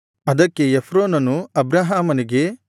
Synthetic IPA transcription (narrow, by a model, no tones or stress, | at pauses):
ɐd̪ɐkːe̞efʰɾoːnɐnuɐbɾaɦaːmɐniɡe̞